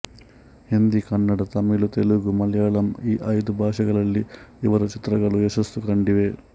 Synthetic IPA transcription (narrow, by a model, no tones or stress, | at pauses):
hind̪ikɐnːɐɽɐt̪ɐmilut̪eluɡumɐljaːɭɐmiːʔɐjd̪ubʱaːʂɐɡɐɭɐlːiiʋɐɾut͡ʃit̪ɾɐɡɐɭueʃɐst̪ukɐɳɖiʋe